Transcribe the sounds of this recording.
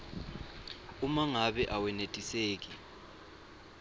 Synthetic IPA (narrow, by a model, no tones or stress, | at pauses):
umaŋaɓɛʔawɛnetʼiseːk̬i